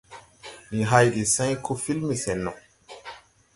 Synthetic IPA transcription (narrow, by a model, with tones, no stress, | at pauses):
ni˨ɦa˦jɗi˨sã˦jko˦fi˦lmi˨sɛ˨nːɔ˨